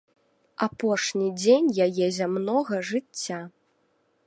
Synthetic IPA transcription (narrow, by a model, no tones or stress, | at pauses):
apɔʂnʲid͡zʲenʲjajɛzʲamnɔɣɐʐɨt͡sʲːa